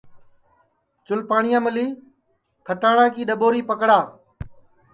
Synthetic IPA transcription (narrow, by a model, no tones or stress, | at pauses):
t͡ʃʊlpaːɳɪjãːməliː | kʰəʈaːɽãːkiːɗəɓoːɾiːpəkɽaː